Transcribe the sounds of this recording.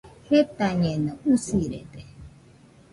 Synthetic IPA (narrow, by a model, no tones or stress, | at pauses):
het̪aɲẽnõusiɾḛd̪e